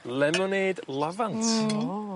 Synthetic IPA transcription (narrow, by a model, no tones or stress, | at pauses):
lɛmɔneːdlˠavantʰ